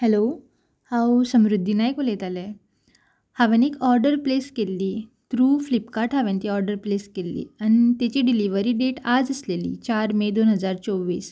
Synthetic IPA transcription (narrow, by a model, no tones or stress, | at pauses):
hɛlo | hãwsəmɾud̪ʱːinajkolet̪alɛ | haʋenikɔɾɖəɾpleskelːiːt̪ɾuflipkaɾʈɦaʋẽnt̪iɔɾɖəɾpleskelːḭːãit̪et͡ɕiɖiliʋəɾiːɖeʈad͡zəslelḭːt͡ɕaɾmed̪onɦəd͡zaɾt͡soʋːḭːs